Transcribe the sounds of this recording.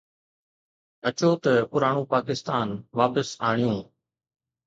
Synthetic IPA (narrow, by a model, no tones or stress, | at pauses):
ɐt͡ʃoːt̪ɐpʊɾaːɳ̃ũːpaːkɪst̪aːnʋaːpəsaːɳ̃ijũː